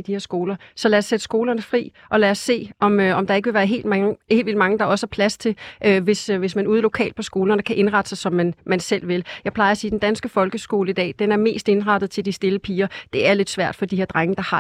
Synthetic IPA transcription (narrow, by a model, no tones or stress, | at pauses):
d̥ihe̝ɐ̰sɡ̥o̝ːlɐsɒ̽læɐsːed̥sɡ̥o̝ːlɐnəfʁḭː | ʔɒ̽læɐsːe̝̰ːʔɒ̽møɒ̽md̥ɑ̈eɡəʋe̝ʋæːɐɦe̝̰ːld̥mḛːʋild̥mɑ̈ŋəd̥ɑ̈ɒ̽sə̥hɑ̈pʰlæst͡sʰe̝lʔøʋe̝sʋe̝smænuːð̞ˠəlo̝kʰɛ̰ːld̥̚pʰɒ̽sɡ̥o̝ːlɐnəkʰæʔe̝nʁɑ̈d̥sɑsɒ̽mːænmænsel̰ʋe̝ljɑ̈ɪpʰlɑ̈ɪɐsiːd̥end̥ænsɡ̥əfɒ̽lɡ̥əsɡ̥o̝̰ːləid̥ɛ̰ːd̥enæɐme̝̰ːsd̥e̝nʁɑ̈d̥ð̩ˠt͡sʰe̝ld̥isd̥e̝ləpʰiːɐd̥e̝æɐle̝d̥sʋæɐ̰d̥fɒ̽d̥iheɐd̥ʁaŋəd̥ɑ̈hɑ